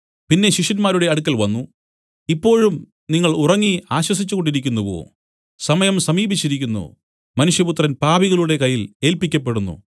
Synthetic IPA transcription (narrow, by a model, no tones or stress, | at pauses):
pinːe̞ɕiʂɐnmaːɾuɽe̞ɐɽukːɐlʋɐnːu | ipːo̞ːɻum | niŋːɐɭurɐŋːiaːɕwɐs̬it͡ɕːuɣo̞ɳɖiɾikʲːunːuʋo̰ː | sɐmɐjɐmsɐmiːbit͡ɕːiɾikʲːunːṵ | mɐnuʂjɐput̪rɐnpaːbiɣɐɭuɽe̞kɐjːile̞ːlpikʲːɐpːe̞ɽunːṵ